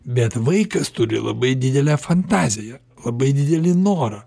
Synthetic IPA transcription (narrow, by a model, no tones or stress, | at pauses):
bʲɛt̪ʋɐɪkɐst̪ʊɾʲɪ̰lˠɐ̰bɐɪd̪ʲɪd̪ʲɛlʲæfɐnt̪ɑːzʲɪjɛ | lˠɐbɐɪd̪ʲɪd̪ʲɛlʲɪnoːɾɐ